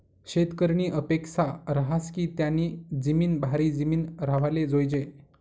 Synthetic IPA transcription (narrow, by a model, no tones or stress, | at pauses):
ɕet̪kəɾɳiːʔəpeksaɾəɦaskiːt̪janiːd͡zəmiːnbʱaɾiːd͡zəmiːnɾaʋ̤aled͡zojd͡ʑe